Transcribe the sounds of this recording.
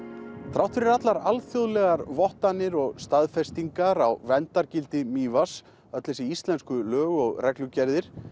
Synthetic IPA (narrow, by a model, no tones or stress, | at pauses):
θɾawt̪ʏɾɛɾat̪laɾalθjoðlɛɣaɾvɔht̪anːɪɾɔɣst̪aðfɛst̪iŋkaɾawvɛnt̪aɾcɪlt̪ɪmiːvas | œt̪lɛsɪist̪lɛnskʏlœːɣɔɣrɛklʏcɛɾðɪɾ̥